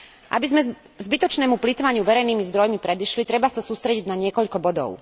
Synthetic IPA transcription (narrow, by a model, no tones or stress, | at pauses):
ʔa̰bizmɛ | zbit̪ɔt͡ʃnɛːmuplit̪ʋaɲɪuʋɛɾɛjniːmizd̪ɾɔjmipɾɛd̪iʃlit̪ɾɛbasasuːst̪ɾɛɟiɟnaɲɪɛkɔʎkɔbɔd̪ɔ̰ʊ